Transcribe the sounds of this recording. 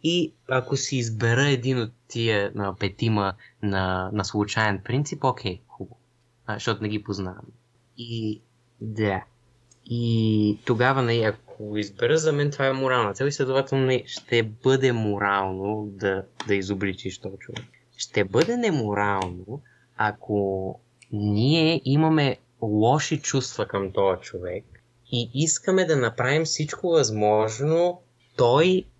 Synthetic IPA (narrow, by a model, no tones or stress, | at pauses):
iɐkosiːzbɛɾəɛd̪inot̪ːiəəpɛt̪imənɐnɐslˠʊt͡ʃaɛnpɾint̪sipokʰʲɛjxubə | ʃt̪ɔt̪ʊnɛɡipoznaɐm | i | d̪a | it̪oɡavɐnɐliɐkʰoɡoizbɛɾəzɐmɛnt̪ovaɛmoɾalˠnɐt̪ɛlˠislʲɛd̪ovat̪ɛlˠnoniʃt̪ɛbɤd̪ɛmoɾalˠnod̪ɐd̪ɐizoblit͡ʃiʃt̪ɔjt͡ʃovɛk | ʃt̪ɛbɤd̪ɛnɛmoɾalˠno | akʰo | niɛʔimɐmɛ | lˠɔʃit͡ʃust̪vɐkɐmt̪ɔjɐt͡ʃovɛk̚ | iʔiskəmɛd̪ɐnɐpɾavimfsit͡ʃkovɐzmɔʒno | t̪ɔj